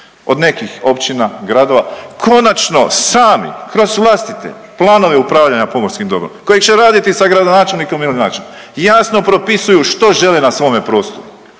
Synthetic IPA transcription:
o̞d̪ne̞kixo̞pt͡ʃinaɡɾad̪o̞ʋakʰo̞nat͡ʃno̞saːmḭkɾo̞zʋlˠaːst̪it̪ḛ | plˠaːno̞ʋeupɾaːʋʎaɲapo̞mo̞ɾskimd̪o̞bɾo̰mko̞jekt͡ʃeɾaːd̪it̪isaɡɾad̪onaːt͡ʃe̞lniko̞milinaːt͡ʃenjasno̞pɾo̞pisujuʃt̪o̞ʒe̞lenasʋo̞ːme̞pɾo̞ːst̪oɾu

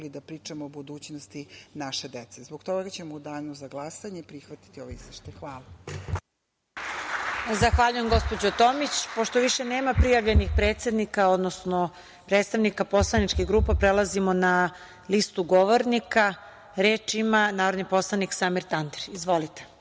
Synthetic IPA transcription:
lid̪apɾiːt͡ʃamoːbud̪uːt͡ɕnost̪inaʃed̪et̪sezboɡt̪oɡɡat͡ɕemoud̪aːʎnozaɡlˠasaɲeipɾixʋat̪i̥t̪ioʋoizʋeʃt̪ajxʋaːla | zaxʋaʎuje̞mɡo̞spo̞d͡ʑot̪o̞mit͡ɕpoʃt̪oʋiʃene̞ːmapɾijaʋʎe̞nixpɾeːt̪se̞d̪nikao̞d̪nosno | pɾeːt̪st̪aʋnikapo̞slˠanit͡ʃkiɣɡɾuːpapɾelˠazimo̞na | list̪uɡoʋoɾnika | ɾe̞ːt͡ʃimanaːɾod̪nipo̞slˠaniksamiɾt̪and̪eɾizʋo̞lit̪e̥

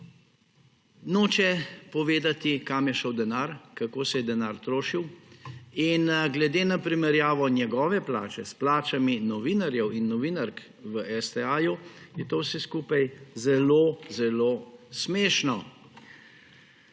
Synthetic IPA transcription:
noːt͡ʃɛpɔʋeːd̪at̪ikamjɛʃəwd̪ɛnaɾkakoːsɛjɛd̪ɛnaɾt̪ɾoːʃiw | inɡlɛd̪eːnapɾimɛɾjaːʋɔnjɛɡɔːʋɛpla̰ːt͡ʃɛsplaːt͡ʃaminɔʋiːnaɾjɛwinːɔʋiːnaɾk | ʋəʔɛst̪ɛaːjujɛt̪owsɛskuːpajzɛloːzɛloːsmeːʃnɔ

